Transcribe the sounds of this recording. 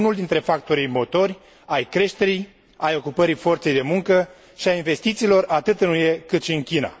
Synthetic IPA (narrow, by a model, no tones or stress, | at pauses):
nuld̪int̪ɾe̞fak̚t̪o̞ɾijmo̞t̪o̞rʲ | ajkɾe̞ʃt̪e̞ɾij | ajo̞kupəɾifo̞rt̪se̞jd̪e̞muŋkə | ʃiainve̞st̪it̪siːlo̞rat̪ɨt̪ɨnujekɨt̪ʃiɨŋkʲina̰